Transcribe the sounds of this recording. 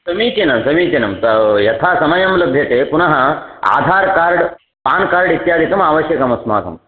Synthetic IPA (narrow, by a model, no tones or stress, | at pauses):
sɐmiːt͡ʃenɐmsɐmiːt͡ʃɐnɐmtɐjɐt̪ʰaːsɐmɐjɐmlɐbʱjɐt̪eːpunɐɦɐ̆a̰ːd̪ʱaːɾkaːɾɖ | paːnkaːɾɖit̪jaːd̪ʱikɐmaːʋɐʃjɐkɐmɐsma̰ːt̪ɐ̰m